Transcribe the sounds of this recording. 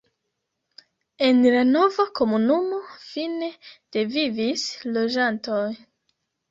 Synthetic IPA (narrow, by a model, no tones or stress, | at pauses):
e̞nlano̞vako̞munumo̞fine̞d̥e̞vivislo̞d͡ʒanto̞j